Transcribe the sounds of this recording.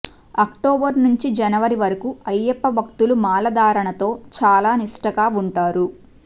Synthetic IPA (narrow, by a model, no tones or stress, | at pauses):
ɐkʈoːbɐɾnuɲt͡ʃid͡ʒɐnɐʋɐɾiʋɐɾɐkuɐjːepːɐbʱɐk̚t̪ulumaːlɐd̪aːɾɐɳɐt̪o̞ːt͡ʃaːlaːniʂʈɐkaːuɳʈaːɾu